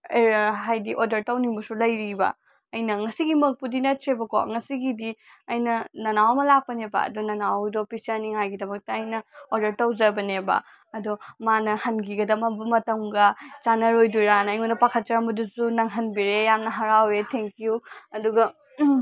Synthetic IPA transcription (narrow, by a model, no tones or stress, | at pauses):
eɦajdiʔodɐɾtɐwniŋbɐsulɐjɾibɐ̰ | ɐjnɐŋɐsiɡimɐk̚pudinɐtɾebɐko̰ŋɐsiɡidi | ɐjnɐnɐnawɐmɐlapːɐnebɐ̰ɐ̰dunɐnawdɐopisɐɾniŋɦajɡidɐmɐk̚tɐɐjnɐoɾdɐɾtɐwzɐbɐnebɐ̰ | ɐdumanɐhɐnɡiɡɐdɐmɐbɐmɐtɐmɡɐt͡ʃanɐɾojduɾanɐjŋondɐpakʰɐt̚t͡ʃɐɾɐmbɐdusunɐŋɦɐnbiɾejamnɐɦɐɾawetʰeŋkiuɐduɡɐ